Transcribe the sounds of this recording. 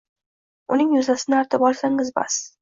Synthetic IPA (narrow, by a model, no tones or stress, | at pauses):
ʊnɪŋjʊzasɪnɪaɾt̪ʰɪbɒlˠsaŋɪzba̰s